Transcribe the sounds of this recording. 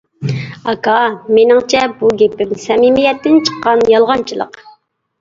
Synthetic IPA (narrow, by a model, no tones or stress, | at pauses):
ɑkɑmenɪŋt͡ʃʰɛbuɡʲepɪmsɛmimɪjɛt̪ːɪnt͡ʃʰə̥qːɑnjɑlˠʁɑnt͡ʃʰilˠə̰q